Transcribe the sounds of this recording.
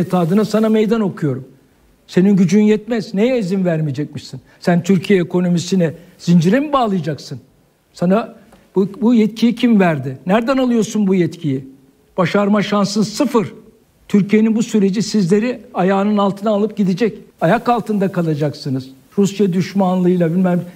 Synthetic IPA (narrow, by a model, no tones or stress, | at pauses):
et̪ʰaːd̪ɯnasanamejd̪ano̞kʰujo̞ɾum | se̞ninɟyd͡ʒynjɛt̪̚mɛznejɛizinvæɾmijed͡ʒɛc̚miʃsinsænt̪ʰyɾcʰijeɛːkʰo̞no̞misinɛ | z̥ind͡ʒiɾimbaːlˠɯjad͡ʒaksɯn | sana | bbujɛt̪cʰijicʰimvæɾd̪ɪnæɾd̪ænalˠɯjo̞ɾsunbujɛt̪cʰiji | b̥aʃaɾmaʃansɯnsɯfɯɾ | t̪ʰyɾcijeninbusyɾe̞d͡ʒisizlʲe̞ɾiajaːnɯnalˠt̪ʰɯnaːlˠɯp̚ɟid̪id͡ʒɛcajakalˠt̪ʰɯnd̪akʰalˠad͡ʒaksɯnɯz̥ | ɾusjad̪yʃmanlˠɯɯjlˠabilʲmɛm